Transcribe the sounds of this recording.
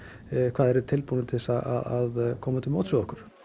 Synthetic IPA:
kʰvaːðɛɾʏt̪ʰɪlpunɪt̪ʰɪsaa̰ðaðkʰɔːmat̪ʰɪlmoːwt̪suɣɔhkʏɾ̥

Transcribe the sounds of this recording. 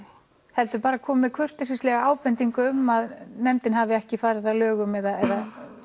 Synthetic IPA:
hɛl̪t̪ʏpaːɾakʰɔːmɪðkʰvʏr̥t̪ɪsist̪lɛɣaaːwpɛnt̪iŋkʏʏmːaðnɛmt̪ɪnɦavɪɛhcɪfaːɾɪðθalœːɣʏmɛðaɛða

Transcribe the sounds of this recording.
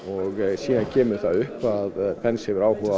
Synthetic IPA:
ɔɣsiːðancʰɛːmʏɾθaðʏhpaðpʰɛnshɪvʏɾaːwhœva

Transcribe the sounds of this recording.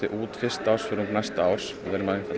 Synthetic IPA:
ɪʔuːt̪fɪ̥st̪aːwrsfʏɾʏmknast̪aaːwɾ̥sɔ̰ðɛɾmaðɪθa

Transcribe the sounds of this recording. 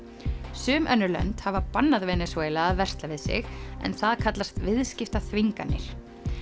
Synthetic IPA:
sʏːmʔœnːʏlœ̰nt̪havapanːaðvɛːnɪsveːjlaavɛr̥st̪lavɪðsɪ̰ɣɛ̰nθaðkʰat̪last̪vɪðscɪft̪aθviŋkanːɪ̰ɾ̥

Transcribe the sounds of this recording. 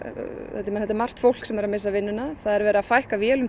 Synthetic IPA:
ɛt̪ːɪmɛnhɛt̪ɛɾmar̥t̪fowl̥ksɛmɛɾamɪsːavɪnːʏnaθaðɛɾvɛːɾafajhkavjɛːlʏm

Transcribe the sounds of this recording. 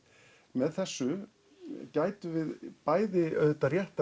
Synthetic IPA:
mɛðθɛsːʏ | caːjt̪ʏvɪðpaːjðɪœðt̪arjɛht̪a

